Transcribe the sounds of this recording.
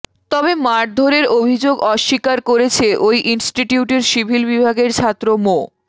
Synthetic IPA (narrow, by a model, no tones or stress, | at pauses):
t̪ɔbemaʈ̚d̪ʱoɾeɾobʱid͡ʑoɡɔʃːikaɾkoɾet͡ɕʰeʔojʔinsʈiʈiuʈeɾʃibʱilbibʱaɡeɾt͡ɕʰat̪ːɾomo